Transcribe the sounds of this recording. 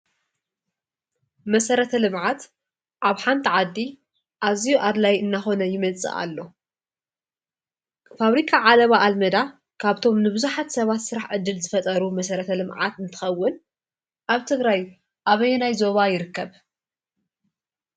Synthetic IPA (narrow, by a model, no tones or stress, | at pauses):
mɐsɐɾɐt̪ʰɐlɨmʕat̪ | ʔaβħant̪ʰiʕad̪ːi | ʔazijuʔad̪lajɨnːaxo̞nɐjɪmɐt͡sʼɨ̰ʔa̰lːo̞ | faβɾikʰaʕalɐβaʔːlmɐd̪a | kʰaβt̪ʰo̞mnɨβɨzuħat̪sɐβat̪sɨɾaħʕɨd̪ːɨlzɨfɐt̪ʼɐɾumɐsɐɾɐt̪ʰɐlɨmʕa̰t̪ɨnt̪ʰɨ̥xɐwːɨn | ʔaβt̪ʰɨɡɾaj | ʔaβɐjɛnajzo̞βajɪɾɨkːɐβ